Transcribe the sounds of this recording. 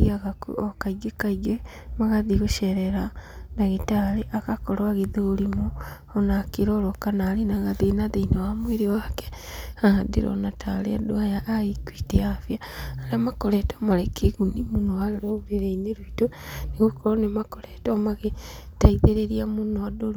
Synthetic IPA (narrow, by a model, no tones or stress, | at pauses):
ɣiaɣakokaiɡekaiɡe | maɣaðiɣoʃɛɾɛɾanaɣetaɾeʔakakoɾwaɣeðeoɾimoː | nakeɾɔɾokanaɾenaɣaðenaðeinawamweɾewake̥aɣadḭɾo̰natʰalḛadoajaʔːɣikwiːteafijaaɾamakoɾetomaɾekʰeɣunimunoaleɾoβuɾeɾeineɾuitoneɣokoɾonemakoɾetomaɣe | taiðeɾeɾiamunoadoɾ